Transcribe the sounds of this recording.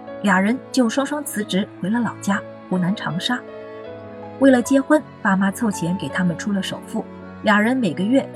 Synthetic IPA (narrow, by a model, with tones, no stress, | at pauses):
lja˨˩ŋɻə˧˥nt͡ɕjo˥˩ʊʂwɑ˥ŋʂwɑ˥ŋt͡sʰɹ̩˧˥ʈ͡ʂɻ̩˧˥xwe˧˥ɪlə˧lɑ˨˩ʊt͡ɕja˥ | xu˧˥na˧˥nʈ͡ʂʰɑ̰˧˥ŋʂa˥ | we˥˩ɪlə˩t͡ɕjɛ˥xwə˥˩n | pa˥ma˥t͡sʰo˥˩ʊt͡ɕʰjɛ˧˥nke˨˩ɪt̪ʰa˥mə˨nʈ͡ʂʰu˥lə˨ʂo̰˨˩ʊfu˥˩ | lja˨˩ŋɻə˧˥nme˨˩ɪɡə˦ɥɛ˥˩